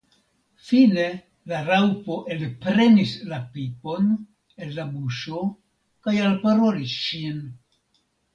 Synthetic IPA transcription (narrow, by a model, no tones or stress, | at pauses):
fine̞ | laɾawpo̞ʔelpɾe̞nislapipo̞n | e̞lːabuʃo̞ | kajalpaɾo̞lisʃin